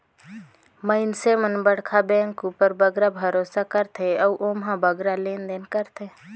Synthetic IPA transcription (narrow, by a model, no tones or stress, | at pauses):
məɪnsemənbəɽkʰabɛ̃ːŋkupəɾbəɡɾabʱəɾoːsakəɾt̪ʰeɔuʔoːmɦãbəɡɾaleːnd̪eːnkəɾt̪ʰeː